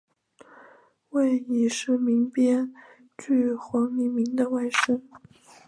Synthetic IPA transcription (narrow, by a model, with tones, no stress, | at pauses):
we˥˩ɪi˨˩ʂɻ̩˥˩mi˧˥ŋpjɛ˥n | t͡ɕy˥˩xwɑ˧˥ŋli˧˥mi˧˥ŋd̪ə˧wa˥˩ɪʂə˥ŋ